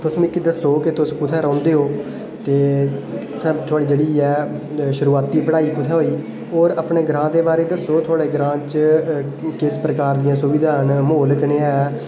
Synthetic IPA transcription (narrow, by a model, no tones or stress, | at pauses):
t̪ʊsmɪkːid̪əsoːkɪt̪ʊskʊt̪ʰɛːɾɔ̃ːnd̪eːɦoː | t̪eː | sɛːbt̪ʰʊaːɽiːd͡ʒeːɽiːɛːʃʊɾuːaːt̪iːpəɽaːiːkʊt̪ʰɛːɦoːiː | oːɾəpɳeːɡəɾãːd̪eːbaːɾeːd̪əsoːt̪ʰʊaːɽeːɡɾãːt͡ʃ | keːspɾəkaːɾd̪ɪjãːsʊʋiːd̪ʱaːnmoːləknẽːɛː